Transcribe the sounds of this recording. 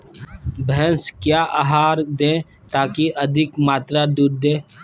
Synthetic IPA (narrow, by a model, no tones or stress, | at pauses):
bʱɛɦənskjaːʔaːɦaːɾd̪ẽː | t̪aːkiʔəd̪ʱɪkmaːt̪ɾaːd̪uːɾd̪ẽː